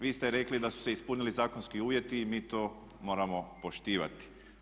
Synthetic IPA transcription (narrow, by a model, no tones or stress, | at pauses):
ʋiːst̪eɾe̞klid̪asu̥seispunilizaːkonskiuːʋje̞t̪iːmiːt̪oː | mo̞ːɾamo̞po̞ʃt̪iːʋa̰t̪i̥